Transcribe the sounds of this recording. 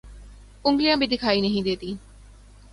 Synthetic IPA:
uŋɡlijabid̪ikʰaːineɦĩd̪et̪iːn

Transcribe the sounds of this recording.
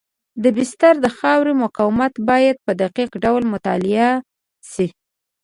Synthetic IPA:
d̪əbɪst̪aɾd̪əxɑwɾemʊkɑwɪmat̪bɑjad̪̚pəd̪aqiqɖawlmʊt̪ɑ̰lɪa | si

